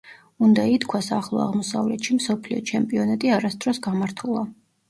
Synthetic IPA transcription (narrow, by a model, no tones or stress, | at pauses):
und̪ait̪kʰwasaχlˠɔ̰a̰ʁmɔsa̰vlɛt̪ʃimsɔpʰliɔ̰t͡ʃʰɛmpʼiɔnat̪ʼiaɾasd̪ɾɔsɡamaɾt̪ʰulˠa